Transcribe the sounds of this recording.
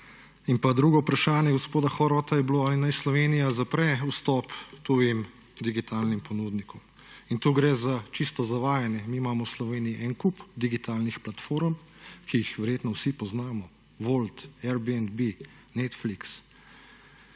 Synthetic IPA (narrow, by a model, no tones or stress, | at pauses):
inpad̪ɾuːɡɔwpɾaʃaːnjɛɡɔspoːd̪axɔɾɔt̪ajɛbloalinajslɔʋeːnijazapɾɛust̪ɔpt̪oːjim | d̪iɡit̪ʰaːlnimpɔnuːd̪nikɔm | int̪uːɡɾɛːzat͡ʃist̪ɔzaʋaːjanjɛmiːmaːmɔwslɔʋeːnijiʔɛnkupd̪iɡit̪aːlnixplat̪foːɾm | kijixʋɛɾjeːt̪nɔwsipɔznaːmɔ | ʋolt̪ɛɾbiɛnd̪bi | nɛt̪fliks